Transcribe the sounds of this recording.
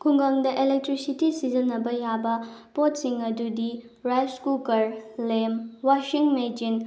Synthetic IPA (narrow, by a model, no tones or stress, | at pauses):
kʰuŋɡaŋdɐʔelek̚tɾisitisizɐnɐbɐjabɐpotsiŋɐdudi | ɾajskukɐɾlemwaʃiŋmed͡ʒin